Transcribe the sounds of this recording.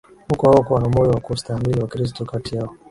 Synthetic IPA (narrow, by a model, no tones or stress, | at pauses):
hukɔhawɔkuwanamɔjɔwakustahamiliwakɾis̬tɔkatijaɔ